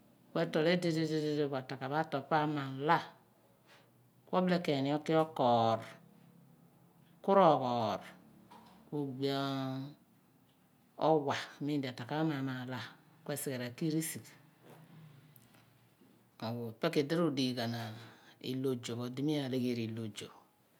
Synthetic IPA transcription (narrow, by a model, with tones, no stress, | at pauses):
kʷwe˦to˨le˦di˦de˦de˦de˦de˦ɡʷa˨ta˨ka˨βa˦to˨pa˦ma˨la˦ | kʷo˦ble˦ke˨ni˨˦o˦ki˦ɔ˦kɔː˨ɾ | ku˦ɾo˦˨kɔ˨ɾ | ku˨ɡ͡ba˦˨˦ | o˦wa˨mi˦n˦da˨ta˨ka˦ma˨ma˨la˦ | kʷe˦˨si˨ɡe˨ɾa˨ki˦ɾi˦si˨k | o˨ɡu˨pe˦ki˨di˦ɾu˦di˨ɡa˨na˨ḭ˨lo˨d͡ʒo˨ko˨di˦mi˦a˨le˦ɡe˦ɾi˨lo˨d͡ʒo˨